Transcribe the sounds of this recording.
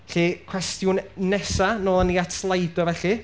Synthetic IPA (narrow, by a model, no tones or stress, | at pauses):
ɬikʰw̥ɛstjʊnnɛsanoːlˠəniatʰlˠajdɔvɛɬɨ